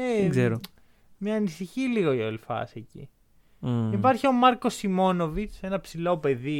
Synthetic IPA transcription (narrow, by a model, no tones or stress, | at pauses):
eɡzeɾo | mɲɐːnisiçiliɣo̞iolifɐ̰secḭ | ipɐɾçio̞mɐɾko̞simo̞no̞vit͡se̞nɐpsilo̞pe̞ði